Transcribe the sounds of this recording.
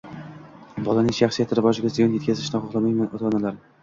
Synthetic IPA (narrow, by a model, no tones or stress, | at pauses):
bɒlanɪŋʃaχsijat̪ʰɪɾɪbɒʃɪɡʲazɪjɒnjet̪kʲʰazɪʃnɪχɒχlˠamajmanot̪ʰɒnalaɾ